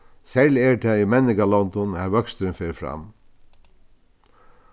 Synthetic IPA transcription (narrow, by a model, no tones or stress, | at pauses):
sɛlɛːʈʰɛimɛnɪkalɔnd̪ɔnhæɾʋœkst̪ɾɪnfeːɾfɾɑ̰m